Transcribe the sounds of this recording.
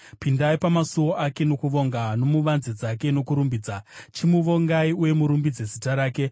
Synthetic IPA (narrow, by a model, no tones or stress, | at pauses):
pindaipamasuwo̞ʔake̞no̞kuʋo̞ŋɡanomuʋanzed͡zake̞no̞kuɾumbiːd͡zat͡ʃimuʋo̞ŋɡaiuje̞muɾumbid͡zezitaɾaːke̞